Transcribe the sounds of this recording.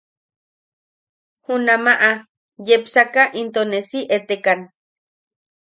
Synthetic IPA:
hunamaʔa | jepsakaʔint̪onesiʔet̪ekan

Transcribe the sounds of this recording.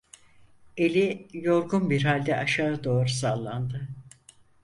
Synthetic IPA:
e̞lʲijo̞ɾɡunbiɾɦalʲd̪ɛʔaʃaːd̪o̞ːɾusalˠːand̪ɯ

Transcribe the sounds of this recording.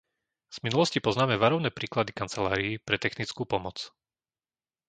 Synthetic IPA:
z̥minulɔscipɔznaːmɛʋaɾɔʊnɛːpɾiːklad̪ikant͡sɛlaːɾiːpɾɛt̪ɛxnit͡skuːpɔmɔt͡s

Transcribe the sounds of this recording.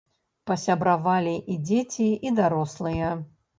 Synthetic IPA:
pɐsʲabɾavalʲiʔid͡zʲet͡sʲiid̪aɾɔslˠɨjɐ

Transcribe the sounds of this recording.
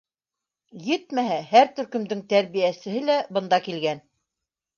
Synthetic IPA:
jɘt̪mæɦæhæɾt̪ɵ̆ɾkɵ̆md̪ɘŋt̪æɾβijæsɘ̆ɦɘlæbɤ̆nd̪ɑkilɡæn

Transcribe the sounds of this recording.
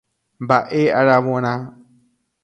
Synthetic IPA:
mbaʔeaɾaβɔna

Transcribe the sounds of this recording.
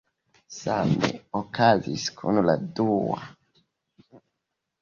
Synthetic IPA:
samḛokaziskʰunladua̰

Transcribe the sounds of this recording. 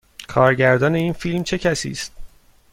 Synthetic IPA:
kʰɒːɾɟæɾd̪ɒːne̞iːnfilmt͡ʃʰe̞cʰæsḭːst̪̚

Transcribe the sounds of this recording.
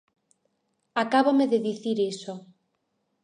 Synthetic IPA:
akaβomeðeðiθiɾiso

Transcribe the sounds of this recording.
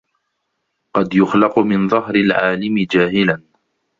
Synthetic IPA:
qɑd̪jʊxlɑqʊmɪnðˤɑɦɾɪlʕaːlɪmɪd͡ʒaːhɪlan

